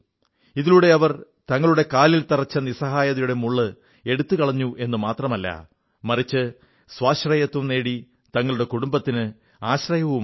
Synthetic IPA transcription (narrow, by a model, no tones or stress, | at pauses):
iðiluɽe̞ɐʋɐr | t̪ɐŋːɐɭuɽe̞kaːlilt̪ɐrɐt͡ɕːɐnisɐɦaːjɐðɐjuɽe̞muɭːɨ | e̞ɽut̪ːɨkɐɭɐɲːuʔe̞nːɨmaːt̪rɐmɐlːɐ̰ | mɐrit͡ɕːɨ | swaːɕrɐjɐt̪ːumne̞ːɽi | t̪ɐŋːɐɭuɽe̞kuɽumbɐt̪ːinɨ | aːɕrɐjɐʋum